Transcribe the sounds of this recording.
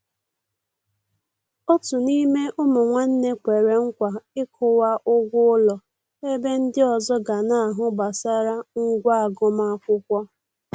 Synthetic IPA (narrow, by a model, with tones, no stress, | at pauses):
o˦tu˨ni˦me˦ʔʊ˦mʊ˨ŋʷa˦n̩˦ne˦kʷe˨ɾe˨ŋ̩˦kʷa˨ɪ˦kʰʊ˨wa˦ʔʊ˦ɡʷʊ˦ʊ˦lɔ˨ | e˦be˦n̩˦dɪ˦ɔ˨zɔ˦ɡa˨na˨a˨ɦʊ˦ba˨sa˦ɾa˦ŋ̩˦ɡʷa˦a˨ɡʊ˦ma˦a˦kʷʊ˦kʷɔ˦